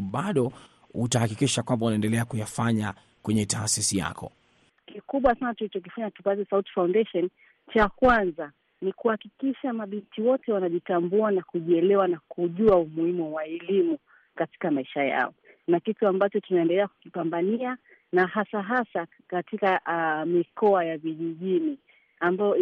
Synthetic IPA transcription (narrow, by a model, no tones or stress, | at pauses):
ɓaɗɔ | utahakikiʃakwambaunaɛndɛlɛakujafaɲa | kwɛɲɛtaːsisija̰kɔ̰ | kikuɓwasanatulit͡ʃɔk̬ifaɲatupazisauti̥fawndɛʃɔn | t͡ʃakwanza | nikuhakikiʃamaɓintʰiwɔtɛwanaʄitambuanakuʄiɛlɛwanakuʄuaumuhimuwaɛlimu | kati̥kamaiʃaja̰ɔ | nakituambat͡ʃɔtunaɛndɛlɛaku̥kipambania | naɦasaɦasa | katikamikɔajaviʄiʄini | ambajɔ